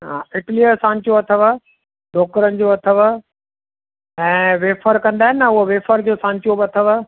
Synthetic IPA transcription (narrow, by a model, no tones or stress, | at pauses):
ɦaːɪʈliəsãːɲt͡ɕoɐt̪ʰəʋ | ɖʱoːk̚kəɾənɪ̆d͡ʑoːɐt̪ʰəʋə | ɛ̃ːʋeːfəɾkɐ̃nd̪aːɦɪnɪɐʊɦoʋeːfəɾd͡ʑoːsãːɲt͡ɕobɪɐt̪ʰəʋə